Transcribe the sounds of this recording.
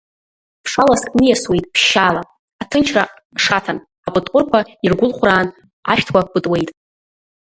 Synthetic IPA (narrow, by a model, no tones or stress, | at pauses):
pʰʂalaskʼnɨjaswe̞jtʼpʰʃːaːla | atʰɨnt͡ʃʰra | ʂatʰan | apʼɨtʼqʷʼʊrkʷairɡʷʊlχʷraːn | a̰ʃᶣtʰwʷab̥ɨtʼwe̞jtʼ